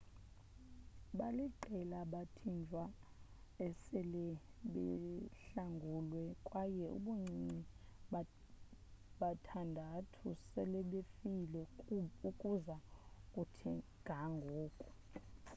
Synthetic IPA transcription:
ɓaliǃɛlaɓatʰind͡ʒʱwa | ɛsɛlɛɓɛ̰ɬaŋɡʱulwɛkʼwajɛʔṵɓuŋ͡ǀʱiŋ͡ǀi | ɓatʰandʱatʰusɛlɛɓefilɛukʼuzakʼutʰiɡ̥ʱaŋɡʱoːkʼu

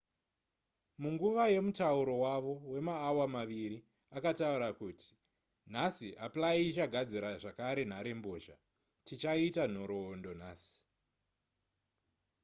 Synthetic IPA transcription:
muŋɡuʋaje̞mutauɾo̞waʋo̞we̞maːwamaʋiɾi | akatauɾakuti̥ | n̤asiʔaplait͡ʃaɡʱad͡ziɾaʐakaɾe̞n̤aɾe̞mboːʃa | tit͡ʃaitan̤o̞ɾo̞ːndo̞n̤aːsi̥

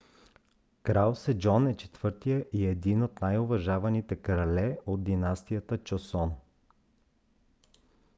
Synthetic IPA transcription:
kɾalsɛd͡ʒɔnɛt͡ʃɛ̥t̪vɤɾt̪ijəʔiɛd̪inot̪najovɐʒavɐnit̪ɛkɾɐlɛod̪d̪inast̪ijət̪ət͡ʃosɔn

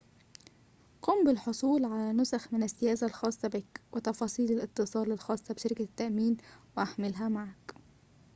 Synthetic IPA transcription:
quːmbɪlħosˤuːlʕalænʊsaxmɪnɪsːɪjæːzalxɑːsˤːɑbɪkwɪt̪ɑfɑːsˤiːlɪlʔɪt̪ːɨsˤɑːlɪlxɑːsˤːɑbʃɪɾɪkat̪ːaʔmiːnwɪʔaħmɪlɦæmaʕak

